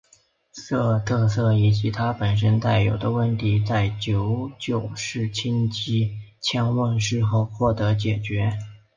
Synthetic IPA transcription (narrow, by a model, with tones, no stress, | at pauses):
sɤ˥˧t̪ʰɤ˥˧sɤ˥˩i˨˩t͡ɕi˧˥t̪ʰa˥pə˨˩nʂ̬ə˥nt̪a˥˩ɪjo˨˩ʊd̪ə˦wə˥˩nt̪ʰi˧˥t͡sa˥˩ɪt͡ɕjo˧˥ʊt͡ɕjo˥˧ʊʂɻ̩˥˩t͡ɕʰi˥nt͡ɕi˥t͡ɕʰjɛ˥nwə˥˧nʂɻ̩˥˧xo˥˧ʊxwɔ˥˩t̪ɤ˧˥t͡ɕjɛ˨˩t͡ɕɥɛ˧˥